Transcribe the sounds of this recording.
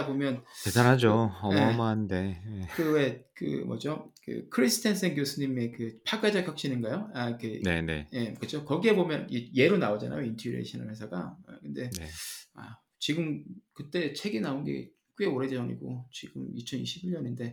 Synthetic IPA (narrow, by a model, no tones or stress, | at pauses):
bomjʌntedanɦad͡ʑoʌmmande̞ekɯwe̞kɯ̰mʌ̰d͡ʑokɯ̰kʰɯɾisʰɯ̥tʰensʰenɡjosʰɯɲime̞kɯpʰaɡ͈ad͡ʑakʰjak̚ɕ͈inɯnŋɡajoakenene̞̰je̞kɯt͡ɕʰokʌɡie̞bomjʌnje̞ɾonaod͡ʑa̰na̰jointʰʌɾḛɕʰʌna̰ɭhe̞sʰaɡa̰kɯnde̞a̰ | t͡ɕiɡɯmkɯt͈e̞t͡ɕʰe̞ɡinaonɡe̞̰ | k͈ueoɾe̞did͡ʑʌɲḭɡo̰t͡ɕiɡɯmit͡ɕʰʌnḭɕʰibiɭɲʌninde̞